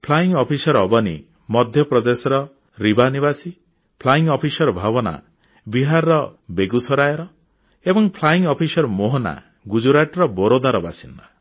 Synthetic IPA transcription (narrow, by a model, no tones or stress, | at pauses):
pʰlaiŋɔpʰisɔɾɔbɔnḭ | mɔd̪ʱjɔpɾɔd̪esɔɾɔ | ɾibanibasi | pʰlaiŋɔpʰisɔɾɔbʱabɔna̰ | biɦaɾɾɔbeɡusɔɾajɔɾɔ | ebɔŋpʰlaiŋɔpʰisɔɾɔmoɦɔna̰ | ɡud͡ʒuɾaʈɾɔbɔɾod̪aɾɔbasind̪a